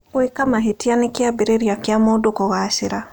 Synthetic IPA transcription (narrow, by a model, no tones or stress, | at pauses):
wekamaɦetianekiabeɾeɾiakjamodokɔɣaʃɪɾa